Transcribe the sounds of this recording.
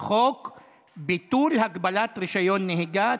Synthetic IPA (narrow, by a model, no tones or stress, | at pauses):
χok | bit̪ulɦaɡbalat̪ʁiʃajo̞nːeɦiɡa